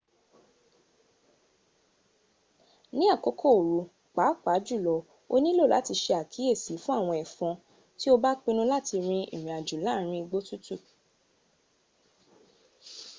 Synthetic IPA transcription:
nĩ˦a˦˨ko˧kʰo˦˨o˨ɾu˨˦ | k͡pa˨˦k͡pa˨˦d͡ʒu˦˨lɔ˨˧ | o̰˦nĩ˦lo˦˨la̰˨˦ti˧ʃe˧a˨kʰi˨˦e˦˨si˨˦fũ˦a˦˨w̃ɔ̃˧ɛ˨fɔ̃˧ | ti˦o˦ba˦k͡pĩ˧nũ˦la˦˨ti˧ɾ̃ĩ˧ʔḭ˨ɾ̃ĩ˨a˨d͡ʒu˨˦la˨˦˨ɾ̃ĩ˧ɡ͡bo˦tu˦tu˦˨

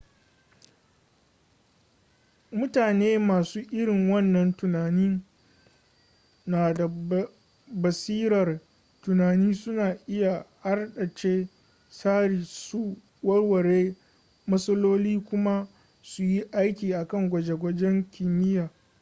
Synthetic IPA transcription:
mʊ˦taː˨neː˦maː˨suː˦ʔɪ˦ɽɪ˨ŋwɐ˦nːɐ˨ntʊ˨naː˨nɪ˦n | naː˨da˨ | bɐ˨siː˦ɾɐ˨r | tʊ˨naː˨niː˦sʊ˦naː˨ʔɪ˦ja˨ha˦rɗɐ˨t͡ʃeː˦ | saː˦ɽiː˨su˦ | wɐ˦rwɐ˨ɽeː˦ | mɐ˦sɐ˦loː˦liː˦kʷʊ˦ma˦ | su˨ji˦ʔa˦jkʲiː˨ʔa˨kɐ˦˨ŋɡʷɐ˨d͡ʒe˨ɡʷɐ˦d͡ʒɛ˦ŋkʲɪ˨mɪ˦jaː˨

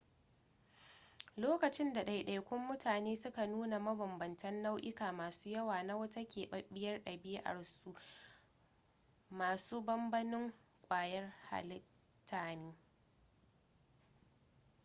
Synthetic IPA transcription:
loː˦kɐ˨t͡ʃɪ˦nda˨ɗa˨jɗa˨jkʷʊ˦mːʊ˦tʰaː˨neː˦sʊ˦ka˨nuː˦na˨mɐ˦bɐ˨mbɐ˨ntɐ˦nːa˦wʔɪ˦kaː˨maː˨suː˦jɐ˦waː˨na˦wɐ˦ta˦kʲeː˨ɓɐ˦ɓɪ˦jɐ˦rɗɐ˨bɪ˦jʔa̰˨ɽsu˦ʔ | maː˨suː˦bɐ˦mbɐ˦nɪ˦ŋ | kʷʼaː˨jɐ˦rha̰˨lɪ˦ | tʰːaː˨niː˦

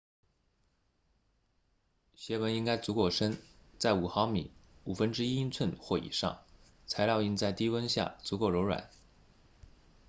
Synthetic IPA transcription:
ɕɥɛ˧˥wə˧˥ni˥ŋka˥ɪt͡su˧˥kwɔ˥˩ʂə˥nt͡sa˥˩ɪu˨˩xɑ˧˥ʊmḭ˨˩˦u˨˩fə˥nʈ͡ʂɻ̩˥i˥i˥nt͡sʰwə˥˧nxwɔ˥˩ḭ˨˩ʂɑ̰˥˩ŋ | t͡sʰa˧˥ɪljɑ˥˧ʊi˥˧nt͡sa˥˩ɪt̪i˥wə˥nɕja̰˥˩t͡su˧˥kwɔ˥˩o˧˥ʊɻwa̰˨˩˦n

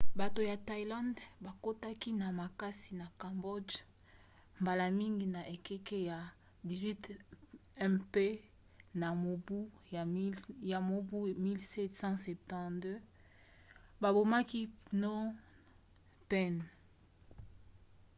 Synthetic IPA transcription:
ba˨to˨ja˨ta˨i˨lã˦ndba˨ko˦ta˦ki˦na˨ma˨ka˦si˨na˨kã˨mbo˦d | mba˨la˨mi˦ŋɡi˨na˨ʔe˨kɛ˦ke˦ja˨ | di˨zwi˦t | ɛ˦pe˦ | na˨o˨bu˦˨ | ja˨mo˨bu˦mi˦lsɛ˦tsɑ̃˦sɛ˨p̚tɑ̃˦˨dø˦ | ba˨bo˨ma˦ki˦nɔ˦ | pɛ˦n

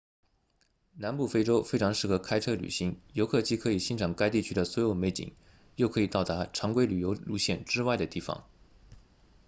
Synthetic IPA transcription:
na˧˥npu˥˩fe˥ɪʈ͡ʂo˥ʊfe˥ɪʈ͡ʂʰɑ˧˥ŋʂɻ̩˥˩xɤ˧˥kʰa˥ɪʈ͡ʂʰɤ˥ly̰˨˩ɕi˧˥ŋjo˧˥ʊkʰɤ˥˧t͡ɕi˥˩kʰɤ˧˥i˨˩ɕi˥nʈ͡ʂʰɑ˨˩ŋka˥ɪt̪i˥˩t͡ɕʰy˥d̪ə˨swɔ˧˥jo˨˥ʊme˧˥ɪt͡ɕḭ˨˩˦ŋ | jo˥˩ʊkʰɤ˧˥i˨˩t̪ɑ˥˩ʊt̪a˧˥ʈ͡ʂʰɑ˧˥ŋkwe˥ɪly˨˩jo˧˥ʊlu˧˥ɕjɛ˥˩nʈ͡ʂɻ̩˥wa˥˩ɪd̪ə˩t̪i˥˩fɑ̰˨˩˦ŋ

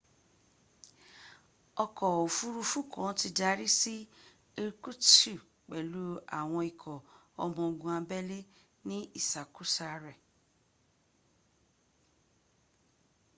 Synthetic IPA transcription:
ɔ˧kɔ˨o˨fu˦ɾu˧fu˦˨kʰɔ̃˨˦ti˧da˧˦ɾi˦si˦ | e˧ɾku˦tu˦˨ | k͡pɛ˨lu˨˦a̰˨w̃ɔ̃˧i˨kʰɔ˨ | ɔ̰˧mɔ̃˧ɡũ˧˦ã˧bɛ˦le˦ | nĩ˦i˦˨sa˨ku˦sa˧ɾɛ˨

